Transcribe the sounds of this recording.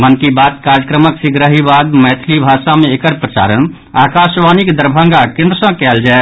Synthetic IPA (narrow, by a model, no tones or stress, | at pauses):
mənkibat̪kaɾjəkɾəməksiɡɾəɦibad̪mɛːt̪ʰlibʱaʃamẽekəɾpɾəsa̰ɾən | akaʃʋanikd̪əɾbʱə̃ŋɡakẽnd̪ɾəsə̃kɛld͡ʒae